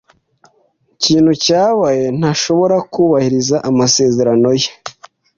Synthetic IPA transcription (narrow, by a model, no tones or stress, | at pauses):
ciːn̥hucaːβaje̞n̥aʃo̞βo̞ɾakuːβahiɾizaʔamase̞ːze̞ɾano̞je